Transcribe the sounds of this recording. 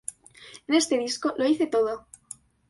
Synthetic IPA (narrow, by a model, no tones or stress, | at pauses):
ene̞st̪eðisko̞lo̞iθe̞t̪o̞ð̞o